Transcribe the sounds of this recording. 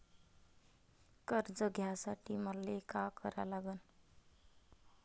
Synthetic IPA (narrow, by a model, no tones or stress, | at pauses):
kʌɾd͡zʌɡʱjasaʈimʌrlekakʌɾalaɡən